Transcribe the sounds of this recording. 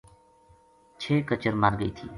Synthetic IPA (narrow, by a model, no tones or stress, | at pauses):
t͡ʃʰeːkət͡ʃəɾmaːɾɡəḭːt̪ʰḭː